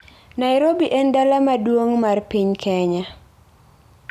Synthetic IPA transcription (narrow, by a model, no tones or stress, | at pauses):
naɪɾobiʔɛndalamadwoŋmarpiɲkʰɛɲa